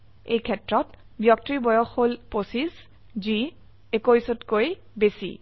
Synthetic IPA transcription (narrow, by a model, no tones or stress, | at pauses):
ḛjkʰɛtɹɔt | bjɔk̚tɹibɔjɔxholposis | zi | ekojsɔtkoj | besḭ